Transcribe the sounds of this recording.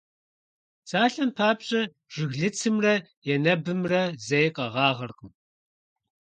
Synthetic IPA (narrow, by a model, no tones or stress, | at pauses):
saːɬɐnpʰaːpɕʼɐ | ʒ̥ɪɣɮɨt͡sʰɨmrɐ | jɛnɐbɨmrɐzejqʼɐʁɑːʁɐrqʼəm